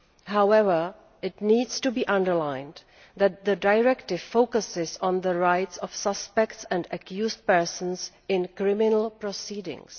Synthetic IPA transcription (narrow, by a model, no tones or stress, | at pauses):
hawɛvə˞ | ɪtniːdstubiːʔʌ̃ndəɹlãɪ̃n | ðæt̪̚ðədaɪɹɛktɪvfːoʊkəsɪzɔ̃nðəɹaɪtsɔfsʌspɛktsɛ̃ndəkjusd̚pɛ˞sə̃n̩s | ɪ̃nkɹɪmɪnəl̩ˠpɹɔsiːdɪ̰̃ŋs